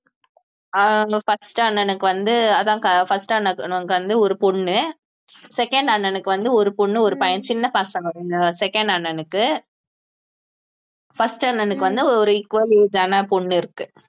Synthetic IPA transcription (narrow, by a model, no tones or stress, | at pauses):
fɐsʈɯɐɳːɐnɯkːɯʋɐnd̪ɯɐðãːkɐfɐsʈanːɐkːɐŋɡɐʋɐnd̪ɯɔɾɯpɔɳːɯ | sɛkɐɳɖɐɳːɐnɯkːɯʋɐnd̪ɯɔɾɯpɔɳːɯɔɾɯpɐjɐnt͡ʃɪnːɐpaːsɐŋɡɐɾɪnɐsɛkɐɳɖɐɳːɐnɯkːɯ | fɐsʈɐɳːɐnɯkːɯʋɐnd̪ɯɔɾɯɪkːʋɐlid͡ʒanɐpɔɳːɪɾɯkːɯ